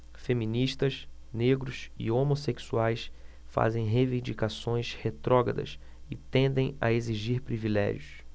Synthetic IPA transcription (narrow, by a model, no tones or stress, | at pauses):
femĩniʃt̪ɐs | neɡɾʊsɪ̰omoseksuajs | fa̰zẽj̃ɦevĩnd͡ʒikasõj̃shet̪ɾɔɡɐ̰d̪ɐ̰s | ɪt̪ẽnd̪ẽj̃ɐ̰eziʒiɾpɾivilɛ̰ʒiʊs